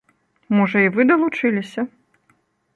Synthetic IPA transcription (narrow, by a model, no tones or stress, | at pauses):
mɔʐɐivɨd̪ɐlˠut͡ʂɨlʲisʲɐ